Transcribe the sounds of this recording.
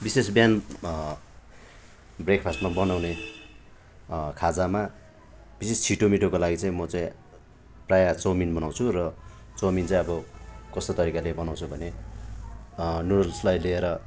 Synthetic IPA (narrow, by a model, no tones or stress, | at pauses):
bisesbjan | brekpʰasʈmabʌnawne | kʰad͡zama | bisest͡sʰiʈomiʈʰokolaɡit͡sʌĩmʌt͡saĩ | prajat͡sʌminbʌnaw̃t͡sʰurʌ | t͡sʌwmint͡sʌĩʌbʌkʌst̪ot̪ʌɾikalebʌnaw̃t͡sʰubʱʌne | nuɽʌlslajlieɾʌ